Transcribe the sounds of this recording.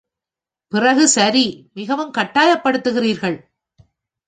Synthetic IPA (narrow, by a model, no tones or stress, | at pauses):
pɪrɐɣɯsɐɾimɪɣɐʋɯmkɐʈːaːjɐpːɐɽɯt̪ːɯɣɪriːɾɣɐɭ